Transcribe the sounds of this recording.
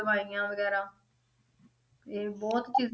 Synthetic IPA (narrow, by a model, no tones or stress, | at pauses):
əʋaːijãːʋəɡɛːɾaː | eːbɔːt̪t͡ʃiːz